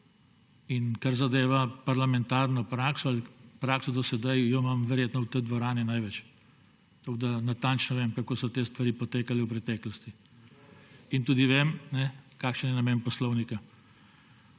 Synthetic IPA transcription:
inkaɾzad̪eːʋapaɾlamɛnt̪aːɾnɔpɾaːksɔalpɾaːksɔd̪ɔsɛd̪ajjɔmamʋɛɾjeːt̪nɔwt̪ɛd̪ʋɔɾaːninajʋɛt͡ʃ | t̪oɡd̪anat̪ant͡ʃnɔʋeːmkakoːsɔt̪eːst̪ʋaɾiːpɔt̪eːkalɛwpɾɛt̪ɛːklɔst̪i | int̪uːd̪iʋeːmnɛkaːkʃənjɛnamɛːnpɔslɔwnika

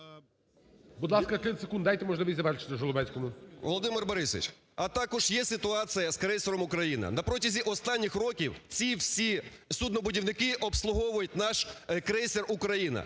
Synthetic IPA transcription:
bud̪lˠɑskɐkɪsekund̪d̪ɑjt̪emɔʒlˠɪʋisʲzɐʋɛɾt͡ʃɪ̥t̪ɪʒɔlˠʊbɛsʲkɔmʊʋɔ̰lˠɔd̪ɪmɪrbɔɾɪsɪ̰t͡ʃ | ɐt̪ɑkɔʒjɛsɪt̪ʊɑt͡s̪ʲɨjɐskɾɛsʲeɾɔmʊkɾɐjinɐ̰nɐpɾɔtʲɐzʲiʔɔst̪ɑnʲːɪxrɔkʲiwt͡sʲiwsʲisud̪nɔbʊdʲiwnɪkɪʔɔpslˠʊɦɔʋʊjʊt̚ʲnɑʃkɾɛjsʲerukɾɐjinɐ̰

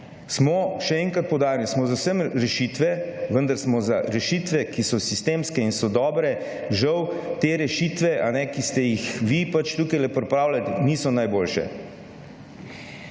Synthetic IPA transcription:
smɔʃɛɛŋkɾat̪̚pɔwd̪aːɾnismɔzawsəmɾɛʃit̪ʋɛʋənd̪aɾsmɔzaɾɛʃit̪ʋɛkisɔsist̪eːmskɛinsɔd̪ɔːbɾɛ | ʒawt̪eːɾɛʃit̪ʋɛʔanɛkist̪ɛjixʋipat͡ʃt̪uːkajlɛpɾɛpɾaːwlalniːsɔnajboːlʃɛ̰

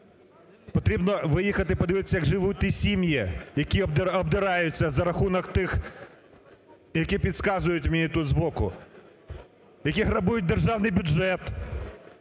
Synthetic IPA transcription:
pɔt̪ɾʲibnɔʋɪjixɐt̪ɪpɔd̪ɪʋɪt̪ɪ̥sʲːɐjɐɡʒɪʋut̚ʲt̪ʲːisʲimʲjijɐkʲid̪ɔbd̪ɪɾɑjʊt͡sʲːɐzɐɾɐxunɔkt̪ɪx | jɐkʲipʲid̪skɑzʊjʊtʲwʲmenʲit̪ud̪zbɔkʊ̰ | jɐkʲiɦɾɐbujʊt̚ʲd̪erʒɑwnɪjbʲʊdd͡ʒɛt̪

